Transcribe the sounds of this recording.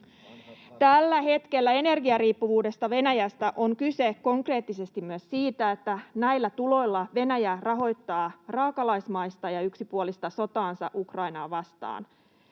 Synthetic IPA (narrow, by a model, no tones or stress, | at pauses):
t̪ælːæɦe̞t̪ke̞lːæe̞ne̞rɡiɑriːpːuʋuːde̞st̪ɑʋe̞næjæst̪æʔo̞ŋkyse̞kko̞ŋkre̞ːt̪ːise̞st̪immyøssiːt̪æet̪ːænæjlːæt̪ulo̞jlːɑʋe̞næjærɑɦo̞jt̪ːɑːrɑːkɑlɑjsmɑjst̪ɑjɑyksipuolist̪ɑso̞t̪ɑːnsɑ̰ʔukrɑjnɑːʋɑst̪ɑ̰ːn